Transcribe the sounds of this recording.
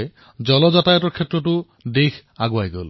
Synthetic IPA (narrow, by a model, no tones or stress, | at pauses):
j | zɔlɔzatajɔtɔɹkʰɛtɹɔtʊ | dexʰaɡʊajɡo̰l